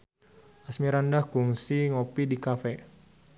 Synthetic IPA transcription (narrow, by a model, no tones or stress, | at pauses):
ʔasmiɾandahkuŋsiŋopidikafɛ